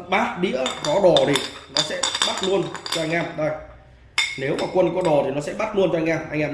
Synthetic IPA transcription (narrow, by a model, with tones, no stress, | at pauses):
ɓaː˦˥t̚ɗḭ˧˥əkɔ˨˦ɗɔ˨˩zi˨˩nɔ˨˦sɛ̰˧˥ɓaː˦˥t̚lu˧ənt͡ɕɔ˧a˧jŋ̟ʔaː˧˩mɗo˨˩j | ne˨˦wmaː˨˩kwə˧nkɔ˨˦ɗɔ˨˩t̪i˨˩nɔ˨˦sɛ̰˧˥ɓaː˦˥t̚lu˧ənt͡ɕɔ˧ŋʔaː˧mʔa˧jŋʔaː˧˨